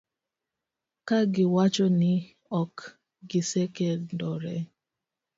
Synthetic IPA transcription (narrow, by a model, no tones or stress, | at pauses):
kaɡɪwat͡ʃɔnɪ | ɔk | ɡɪsɛkɛlndɔɾɛ